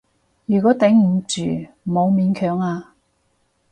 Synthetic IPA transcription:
jyː˨˩kɔː˨˥t̪ɛ˨˥ŋm̩˨˩t͡ʃyː˨˩ | mo˨˧wmiː˨˧nkʰœː˨˥ŋaː˧

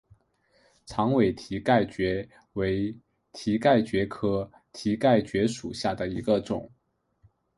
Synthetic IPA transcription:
t͡sʰɑ˧˥ŋwe˨˩ɪt̪ʰi˧˥ka˥˩ɪt͡ɕɥɛ˧˥ | we˧˥ɪ | t̪ʰi˧˥ka˥˩ɪt͡ɕɥɛ˧˥kʰɤ˥ | t̪ʰi˧˥ka˥˩ɪt͡ɕɥɛ˧˥ʂṵ˨˩ɕja˥˩d̪ə˩i˧˥ɡə˧ʈ͡ʂʊ̰˨˩˦ŋ

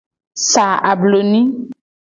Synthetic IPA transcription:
sa˨a˨blo˨nĩ˦

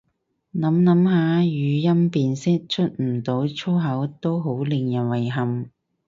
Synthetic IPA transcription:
nɐ˨˥mnɐ˨˥mɦaː˨˧˥jyː˨˧jɐ˥mpiː˨˧nsɪ˥k̚t͡ʃʰɵ˥t̚m̩˨˩t̪o˨˥wt͡ʃʰo˥wɦɐ˨˥wt̪o˥wɦo˨˥wlɪ˨˧ŋjɐ˨˩nwɐ˨˩jɦɐ˨m

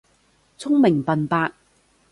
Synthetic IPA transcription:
t͡sʰʊ˥ŋmɪ˨˩ŋpɐ˨npaː˧k̚

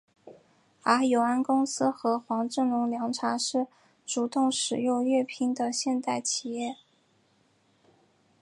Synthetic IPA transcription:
a˧˥jo˨˩ʊa˥nkʊ˥ŋsɹ̩˥xɤ˧˥xwɑ˧˥ŋʈ͡ʂɤ˥˩ŋlʊ˧˥ŋljɑ˧˥ŋʈ͡ʂʰa˧˥ʂɻ̩˥˩ | ʈ͡ʂu˨˩t̪ʊ˥˩ŋʂɻ̩˨˩jo˥˧ʊɥɛ˥˩pʰi˥ŋd̪ə˨ɕjɛ˥˧nt̪a˥˩ɪt͡ɕʰi˨˩jɛ˥˩

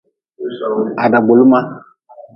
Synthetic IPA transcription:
a˨da˨ɡ͡bo˨lu˦ma˦

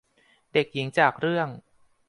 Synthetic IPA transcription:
de˨˩k̚ji˩˦ŋt͡ɕaː˨˩k̚ɾɯ˥˩əŋ

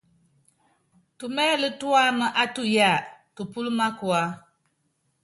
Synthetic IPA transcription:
tu˨mɛː˦lɨ˦tu˦a˦mɨ˦ʔa˦tu˨ja˦˨kɨ˨pu˦lɨ˦ma˦ku˨a˨˦

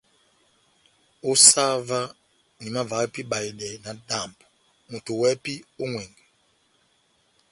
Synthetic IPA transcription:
o˦sa˦va˦ | ni˨ma˦va˨˦pi˦ɓa˨i˨ɗɛ˨na˨da˦˨mbu˨ | mu˨tu˨wɛ˦pi˦o˦ŋwɛ˨ŋɡɛ˨

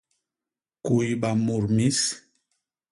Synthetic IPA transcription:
ku˨jɓa˨mu˨ɾmi˦s

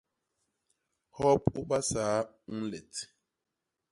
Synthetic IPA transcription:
hɔ˦pu˦ɓa˦saː˨˦ | ŋ̩˦lɛ˨t

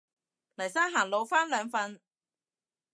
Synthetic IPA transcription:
lɐ˨˩jsaː˥nɦaː˨˩ŋlo˨˧wfaː˥nlœː˨˧ŋfɐ˧n

